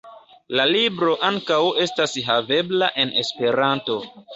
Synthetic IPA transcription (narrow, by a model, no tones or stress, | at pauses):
lalibɾo̞ʔaŋkawe̞stasɦave̞blaʔe̞ne̞spe̞ɾanto̞